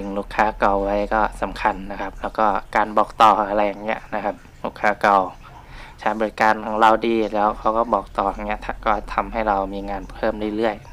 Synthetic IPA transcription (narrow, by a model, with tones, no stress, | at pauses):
ɯ˨˧ŋluː˧˩kʰaː˧˥ka˨˩wwa˦˥jkɔː˥˩sa˨˩˦mkʰa˧nːa˦˥kʰa˦˥p̚lɛː˦˥wkɔː˥˩kaː˨˧nbɔː˨˩k̚t̪ɔː˨˩ʔa˧ɾa˧jːaː˨˩ŋi˦˥ɐʔna˦kʰa˦˥p̚luː˥˩kʰaː˧˥ka˨˩w | t͡ɕʰaː˦˥jbɔː˧ɾi˦˥kaː˧nkʰaː˩˦ɾa˧wdiː˧lɛː˦˥wkʰa˧wkɔː˥˩bɔː˨˩k̚t̪ɔː˨˩a˨˩ŋːni˦˥ɐʔt̪ʰa˧˥kɔː˥˩t̪ʰa˧mɦa˥˩jɾa˧wmiː˧ŋaː˧npʰɤː˥˩mla˥˩lɯ˥˩əj